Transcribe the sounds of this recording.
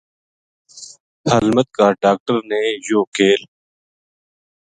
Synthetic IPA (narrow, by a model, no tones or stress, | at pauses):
həlmət̪̚kaːɖaːk̚ʈəɾneːjoːkeːl